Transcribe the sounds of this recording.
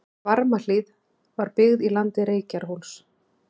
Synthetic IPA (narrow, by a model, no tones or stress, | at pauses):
vaɾmal̥iːð | vaɾpɪɣðilant̪ɪɾeːjcaɾ̥ɦuls